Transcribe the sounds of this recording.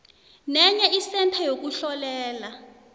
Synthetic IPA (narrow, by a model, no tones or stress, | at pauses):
nɛɲɛisɛntʰajok̬uɬɔlɛːla